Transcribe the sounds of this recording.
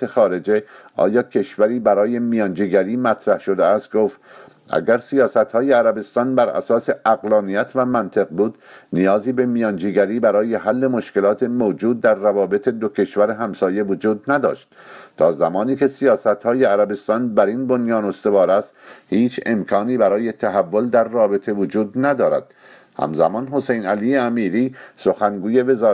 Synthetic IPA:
exɒːɾe̞d͡ʒeɒ̰ːjɒːcʰe̞ʃvæɾiːbæɾɒːje̞mijɒːnd͡ʒiːɡæɾiːmæt̪ʰɾæhʃo̞d̪eæst̪̚ɡoːft̪ | ʔæ̰ɡæɾsijɒːsæt̪hɒːjeæɾæbe̞st̪ɒːnbæɾæ̰sɒːse̞ʔæɣlɒːnijæt̪ʰvæmænt̪ʰeɣbuːd̪nijɒːziːbe̞mijɒːnd͡ʒiːɡʲæɾiːbæɾɒːje̞ɦælːemo̞ʃke̞lɒːt̪ʰemoːd͡ʒuːd̪̚ːæɾːævɒːbe̞t̪ʰe̞d̪okʰe̞ʃvæɾeɦæmsɒːje̞vod͡ʒuːd̪̚næd̪ɒ̰ːʃt̪̚ | t̪ʰɒːzæmɒːniːke̞sijɒːsæt̪hɒːje̞æɾæbe̞st̪ɒːnbæɾinbo̞njɒːno̞st̪e̞vɒːɾæst̪hiːt͡ʃʰe̞̰mkʰɒːniːbæɾɒːje̞t̪ʰæɦævːo̞ld̪æɾːɒːbe̞t̪ʰe̞vod͡ʒuːd̪næd̪ɒːɾæ̰d̪̥ | hæ̰mzæ̰mɒːnɦo̞sejnæliːeæmiːɾiːso̞xæŋɡuːje̞ve̞zɒː

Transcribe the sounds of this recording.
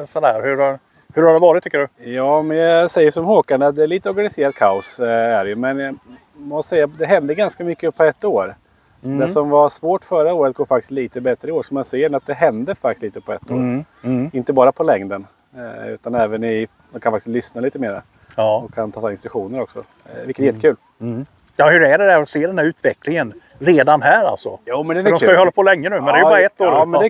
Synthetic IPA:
sɔd̪hæːɾhɵaɾ | hɵɾhaɖɛvɑːɾɪt̪ʰːʏkːəɖɵjɑːmɛnjasɛjːəsɔmhoːkaɳɖəat̪̚d̪ɛːɭiːt̪əɔɾɡanɪseːɾad̪̚kʰaʊsæɾjɵmɛnj | mɔfsɛjːad̪ɛɦɛnd̪əɡanskamʏkːəpʰɔɛt̪ːoːɾ | d̪ɛʂɔmvasvoːʈfœɾaoːɾət̪̚ɡoːɾfakt̪ɪ̥st̪liːt̪əbɛt̪ɾəɪoːʂɔmanseːnat̪̚d̪ɛɦɛnd̪əfak̚t̪st̪liːt̪əpʰɔɛ̰t̪ːo̰ːɾ | ɪnt̪əbɑːɾapʰɔlɛŋd̪ən | ʉ̟ːt̪anɛːvənɪ | d̪ɛmkʰanfakt̪ɪst̪lʏsnaliːt̪əmeːɾa̰ | ɔkʰːant̪ʰɑːsːɪnst̪ɾɵkɧuːnəɾɔksɔ̰ | vɪlkət̪jɛt̪ːkʰʉːl | jɑːhɵɾæɖɛd̪æɾɔseːɖ̪ɛnæɾʉ̟ːt̪ʰvɛklɪŋən | ɾeːd̪anɦæːɾa̰lsɔ̰juːmɛnd̪ɛnd̪ɔskajʏhɔlːapʰɔlɛŋːənʉːmɛnd̪ɛæjɑːɾaɛt̪ːoːɾmɛnd̪ɛ

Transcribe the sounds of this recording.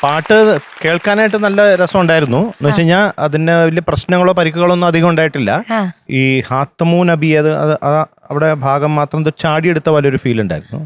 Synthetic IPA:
paːʈːɨke̞ːɭkaːnaːjʈ̬ːɨnɐlːɐɾɐsɐmuɳɖaːjiɾunːuneːt͡ɕːeɲːaːɐðineilːeprɐɕnɐŋːɐɭo̞ːpɐɾikʲːuɣɐɭo̞nːumɐd̪ʱiɣɐmuɳɖaːjiʈːilːɐiːhaːt̪ːɐmuːnɐbʱieɐðɨɐðɨʔɐð | ɐʋiɽe̞bʱaːɡɐmːaːt̪rɐmɐðɨt͡ɕaːɽije̞ɽut̪ːɐʋɐlɐo̞ɾufiːluɳɖa̰ːjiɾunːṵ

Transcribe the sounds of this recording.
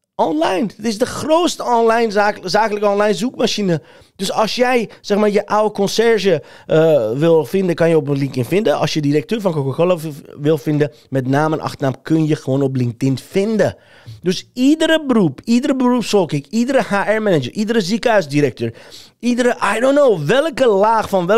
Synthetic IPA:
ʔɔnlajntɪsdəxroːstəɔnlajnazaːkələkəɔnlajnzukmaʃinə | d̥øsɔlsjɛjsɛxmaːrjəʔawəkɔnsɛɹʒə | ʋɪlˠfɪndəkɑnjəopənlɪŋktɪnfɪndəɔ̰lsjədiɾɛk̚tøːɹfɔnkokakoləʋɪlˠfɪndə | mɛtnaːmənʔɑ̰xtərnamkʰønjəxəʋoːnɔp̬lɪŋk̚tɪnfɪndə | døsidəɾəbərupidəɾəbərupsɔlˠkɪkidəɾəhaːʔɛɹmɛnəd͡ʒəɹʔidəɾəzikœɥsdiɾɛk̚tøːɹ | idəɾəʔajdonːoːʋɛlˠkəlaːxfɔnʋɛ

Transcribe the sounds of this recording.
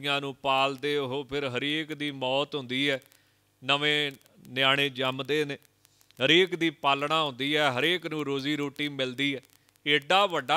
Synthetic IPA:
jãːnũːpaːld̪eːʊɦoːpʰɪɾɦəɾeːkd̪iːmɔːt̪ɦʊ̃nd̪iːɦɛː | nəʋẽː | nɪjaːɽ̃ẽːd͡ʒəmd̪eːneː | ɦəɾeːkd̪iːpaːlɳaːɦʊ̃nd̪iːɛːɦəɾeːknũːɾoːziːɾoːʈiːmɪld̪iːɛː | eːɖaːʋəɖaː

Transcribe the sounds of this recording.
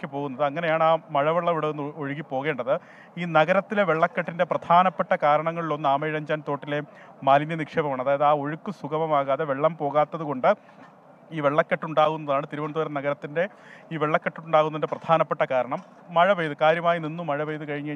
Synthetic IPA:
kʲːɨpo̞ːɣunːɐðɨɐŋːɐne̞jaːɳaːmɐɻɐʋɐɭːɐʋiɽenːoɻuɣipːo̞ːɣe̞ːɳɖɐðɨ | iːnɐɣɐɾɐt̪ːileʋeɭːɐkːɐʈːinde̞prɐd̪ʱʰaːnɐpːeʈːɐkaːɾɐɳɐŋːɐɭilo̞nːɨaːmeːɻɐɲd͡ʑaːnt̪o̞ːʈːile̞ | maːlinjɐnikʂeːbɐmaːɳɐðaːjɐðɨaːo̞ɻukːɨsuɣɐmɐmaːɣaːðe̞ʋeɭːɐmpo̞ːɣaːt̪ːɐðuɣo̞ɳɖɨ | iːʋeɭːɐkːɐʈːuɳɖaːɣunːɐðaːɳɨt̪iɾuʋɐɳd̪oːɾɐmnɐɣɐɾɐt̪ːinde̞ | iːʋeɭːɐkːɐʈːuɳɖaːɣunːɐðindeprɐd̪ʱaːnɐpːeʈːɐkaːɾɐɳɐmː | ɐɻɐʋejðuɨkaːɾjɐmaːjininːumɐɻɐʋejðɨkɐɻiɲːɐ

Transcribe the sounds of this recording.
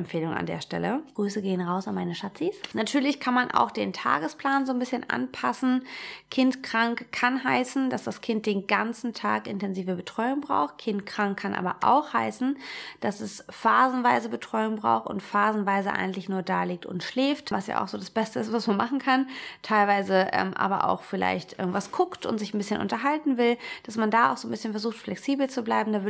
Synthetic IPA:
ɛmfeːlʊŋa̰ndḛːɐʃtɛ̰lə̰ɡ̥ʁyːsəɡeːənʁaʊsanmaɪnəʃat͡sisnatʰyːɐlɪçkʰanmanʔa̰ʊxd̥eːntʰa̰ːɡəspl̥aːnzoːnbɪsçənʔa̰npʰasn̩kʰɪntkʁ̥aŋkʰːanɦaɪsn̩d̥asd̥askʰɪnt̚d̥eːnɡant͡sn̩tʰa̰ːkʔɪntɛnziːvəbətʁ̥ɔʏʊŋbʁa̰ʊxt̚kʰɪntkʁ̥aŋkʰːanʔa̰ːbɐʔa̰ʊxhaɪsn̩d̥asɛsfaːzn̩vaɪzəbətʁ̥ɔʏʊŋbʁa̰ʊxtʊ̰ntfaːzn̩vaɪzəʔa̰ɪɡŋ̩tlɪçnuːɐdaːliːk̚tʊ̰ntʃlɛːftvasja̰ːʔa̰ʊxz̥oːdasb̥ɛstəɪstv̥asmanmaχn̩kʰantʰaɪlvaɪzəʔɛ̰ːmʔa̰ːbɐ̰ʔa̰ʊxfɪla̰ɪçtʔɪ̰ɐɡŋ̩tv̥askʰʊktʊ̰ntz̥ɪçn̩bɪsçənʔʊ̰ntɐɦaltn̩vɪld̥asmandaːaʊxz̥oːnbɪsçənfɛɐzuːxtflɛksiːbl̩t͡sublaɪbm̩daːvʏ

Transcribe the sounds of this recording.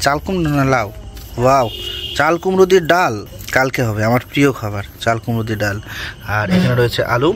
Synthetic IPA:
t͡ʃalkumnnlawwawt͡ʃalkumɾud̪iɖalkalkeɦɔbeaməɾpɾijoɡɦɔbəɾt͡ʃalkumɾud̪iɖalaɾeknaɾojt͡ʃʰeʔalu

